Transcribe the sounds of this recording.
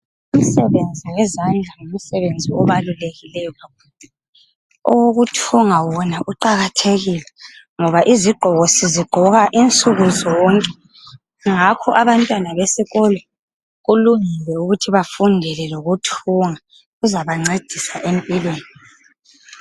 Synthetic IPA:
um̩sɛβend͡zʱiwɛzand͡ɮʱaŋum̩sɛβend͡zʱiɔβaluleɣilɛjɔɣakuːlɛ | ɔwoɣutʰuŋawɔnaʔuǃaɣatʰeɣilɛŋɔβaʔiziɡ͡ǃʱɔɣosiziɡ͡ǃʱɔɣaʔint͡sʼuɣuzɔɔŋkʼɛ | ŋakʰɔʔaβantʼwanaβesiɣɔlɔ | ɣuluŋilɛuɣutʰiβafundʱɛlɛloɣutʰuŋa | uzaβaŋ͡ǀed̥ʱisaʔempʼilweːni

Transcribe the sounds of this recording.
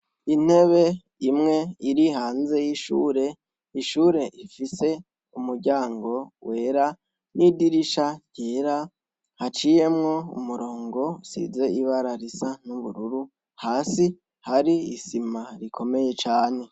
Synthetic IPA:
in̥e̞βe̞ | imŋe̞iɾiɦaːnze̞jiʃṵːɾe̞ | iʃuːɾe̞ʔifise̞ | umuɾɟaːŋɡo̞we̞ːɾa | nidiɾiʃaɟeɾa | hat͡ʃije̞mŋo̞ṵmuɾo̞ːŋɡo̞sḭze̞iβaɾaɾisanuβuɾuɾu | haːsi | haɾiːsimaɾikʰo̞me̞je̞t͡ʃaːne̞

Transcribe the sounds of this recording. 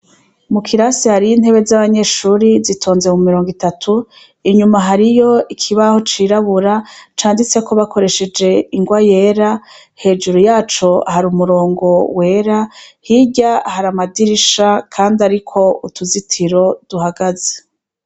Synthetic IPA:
mukʰiɾasihaɾijin̥he̞βe̞zaβaɲe̞ːʃuːɾizitʰoːnzemumiɾo̞ːŋɡitatʰu | iɲumaɦaɾijo̞ikʰiβaho̞t͡ʃiɾaβuɾat͡ʃaːndit͡se̞ko̞βakʰo̞ɾe̞ʃe̞d͡ʒe̞iŋɡwaje̞ːɾa | he̞ːd͡ʒuɾujaːt͡ʃo̞haɾumuɾo̞ːŋɡo̞we̞ːɾahiɟahaɾamadiɾiʃakʰaːndaɾikʰo̞utʰuzitʰiɾo̞d̥uhaɡaze

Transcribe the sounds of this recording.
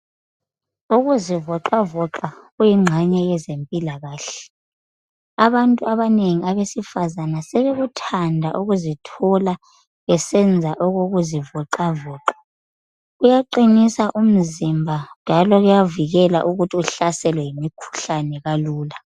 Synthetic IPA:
uɣuzivɔǃavɔǁaɣujiŋ͡ǁʱaɲɛjɛzempʼilaɣaːɬɛ | aβantʼuaβaneŋiaβesifazanasɛβɛɣutʰandʱa̰ʔuɣuzitʰɔla | βɛsɛnd͡zʱaʔɔɣoɣuzivɔǃavɔːǃḁ | ɣujaǃinisaʔum̩zimbʱand͡ʒʱalɔɣujaviɣɛla̰ʔuɣutʰiuɬasɛlwɛjimikʰu̥ɬanɛɣaluːla

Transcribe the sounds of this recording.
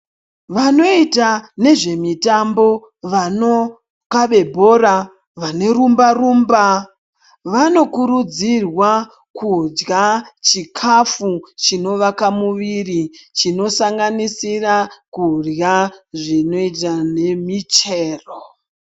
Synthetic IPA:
ʋano̞itane̞ʐe̞mitambo̞ | ʋano̞ | kaɓe̞bʱo̞ɾa | ʋane̞rumbarumba | ʋano̞kuɾud͡zirwa | kud͡ʒɡat͡ʃikʰafut͡ʃino̞ʋakamuʋirit͡ʃino̞saŋɡanisirakurjaʐino̞itane̞mit͡ʃeːro

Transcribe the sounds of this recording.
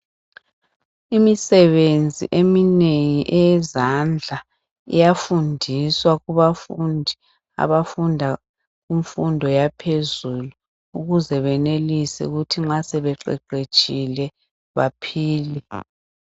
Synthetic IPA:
imisɛβend͡zʱḭʔemineŋiʔɛɛzand͡ɮʱa | ḭjafundʱiswaɣuβafundʱi | a̰βafundʱa | ɣuɱfundʱɔjapʰezulu | uɣuzɛβɛnelisɛ̰ṵɣutʰiŋ͡ǁasɛβɛǃɛ̰ǃet͡ʃʼilɛ | βa̰pʰiːli

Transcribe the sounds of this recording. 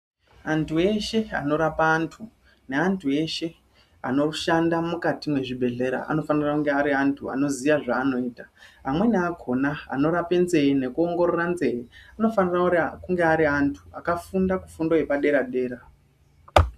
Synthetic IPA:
antʰue̞ʃe̞a̰no̞ɾapaːntʰu | ne̞antʰue̞ʃe̞ | a̰no̞ʃandamukatimwe̞ʐibʱe̞ɮe̞ɾa̰ʔa̰no̞fanirakuŋɡe̞aɾiantʰua̰no̞ziʋaʐaːno̞iːtaɦamwe̞neakʰo̞naa̰no̞ɾape̞nze̞ine̞kuo̞ŋɡo̞ɾo̞ranze̞iano̞faniraukuŋɡeaɾiantʰuakafundakufundo̞ɦe̞paɗe̞ɾaɗe̞ːɾa

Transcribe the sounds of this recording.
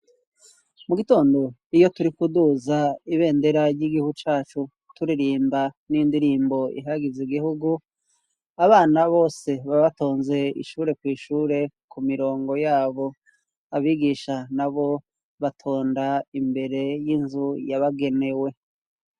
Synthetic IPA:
muɡito̞ːndo̞ijo̞tuɾikuduzaiβe̞ːnde̞ɾaɾɟiɡihuɡut͡ʃaːt͡ʃu | tuɾiɾiːmbanindiɾiːmbo̞ḭɦaɡiziɡihuɡu | aβaːnaβo̞ːse̞βaβato̞ːnze̞ḭʃuːɾe̞kwiːʃuːɾe̞kumiɾo̞ːŋɡo̞jaːβo̞ | aβiɡiːʃanaβo̞ | βatʰo̞ːndaimbe̞ɾe̞jinzujaβaɡe̞ne̞we̞

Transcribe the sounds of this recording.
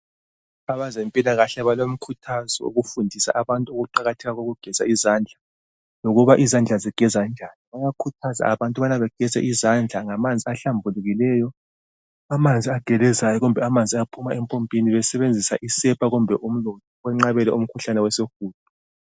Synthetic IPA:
aβazempʼilaɣaɬɛβalom̩kʰutʰazɔ̰ṵɣufundʱisa̰ʔaβantʼuoɣuǃaɣatʰɛɣaɣoɣuɡ̥ʱɛz̥aizaːnd͡ɮʱa | loɣuβaʔizand͡ɮʱaziɡ̥ʱɛzand͡ʒʱaːniβajakʰutʰaza̰aβantʼuβanaβɛɡ̥ʱɛzɛ̰ʔizand͡ɮʱaŋamand͡zʱiaɬambʱuluɣilɛːjɔ | amand͡zʱiaɡ̥ʱɛlɛzajɔɣumbʱɛamand͡zʱiapʰumaɛmpʼompʼiniβɛsɛβend͡zʱisaʔisɛpʰʼaɣumbʱɛʔum̩lɔtʰɔɔŋ͡ǁaβɛlɛum̩kʰuɬanɛwɛsexuːd̥̚ʼʱu

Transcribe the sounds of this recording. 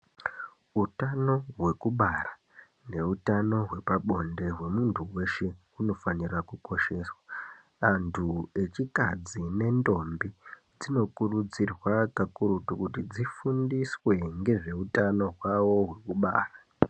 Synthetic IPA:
utano̞ɦwe̞kuɓara | ne̞utano̞ɦwe̞paɓo̞nde̞ɦwe̞muntʰuwe̞ʃe̞ | uno̞fanirakuko̞ʃe̞ːswa | antʰue̞t͡ʃikad͡zine̞ndo̞mbi | d͡zino̞kurud͡zirwakakurutukutid͡zifundiswe̞ŋɡe̞ʐe̞utano̞ɦwawo̞ɦwe̞kuɓa̰ːra

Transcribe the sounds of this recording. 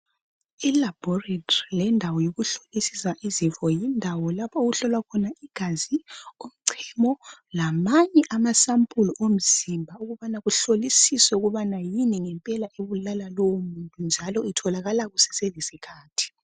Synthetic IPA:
ilab̥ʱɔretʰɔrilɛndʱawɔjoɣuɬolisisaʔizifɔjindʱawɔlapʰaoɣuɬɔlwakʰɔnaiɡ̥ʱaziom̩ǀʰɛmɔlamaɲɛʔamasampʼulɔʔom̩z̥imbʱauɣuβanaɣuɬolisisɛuɣuβanajiniŋɛmpʼɛlaʔeβulalalowomuntʼund͡ʒʱalɔitʰɔlaɣalaɣusɛ̥selisikʰaːtʰi̥

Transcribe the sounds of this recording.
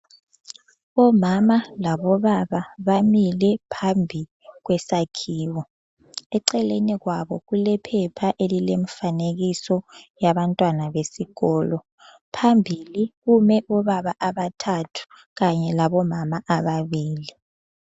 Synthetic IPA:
ɔmamalaβɔβaβaβamilɛpʰambʱi | ɣwɛsakʰiːwɔ | ɛǀɛleniɣwaβɔɣulɛpʰɛpʰaʔelilem̩faneɣisɔjaβantʼwanaβesiɣɔːlɔ | pʰambʱiliɣumɛʔɔβaβaʔaβatʰatʰu̥ | ɣaɲɛlaβɔmamaʔaβaβiːli

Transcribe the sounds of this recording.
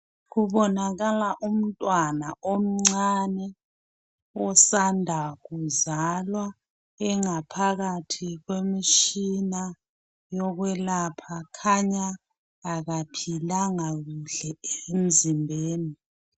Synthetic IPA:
ɣuβɔnaɣalaʔum̩tʼwanaʔom̩ŋ͡ǀanɛ | ɔsandʱaɣuzalwa | ɛŋapʰaɣatʰiɣwemiʃina | jɔɣwɛlapʰakʰaɲaː | ɣapʰilaŋaɣuɬɛeem̩zimbʱeːni

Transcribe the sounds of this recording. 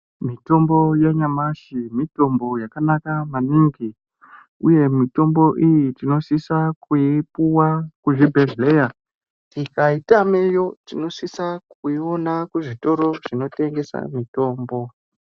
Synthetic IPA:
mito̞mbo̞jeɲamaʃimito̞mbo̞jakanakamaniŋɡi | uje̞mito̞mbo̞ʔijitino̞sisakuipuwakuʐibʱe̞ɮle̞ja | tikaitame̞jo̞tino̞sisakuio̞nakuʐito̞ɾo̞ʐino̞te̞ŋɡe̞sa̰mito̞ːmbo̞

